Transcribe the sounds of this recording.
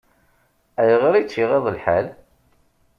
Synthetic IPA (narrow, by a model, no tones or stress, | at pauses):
æjəʁɾit͡sːiʁeðˤəlħæ̰l